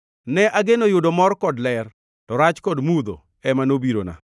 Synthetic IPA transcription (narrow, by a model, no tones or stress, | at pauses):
nɛʔaɡenojʊdomɔrkɔdlɛr | tɔɾat͡ʃkɔdmud̪o̰ | ɛmanobiɾo̰na̰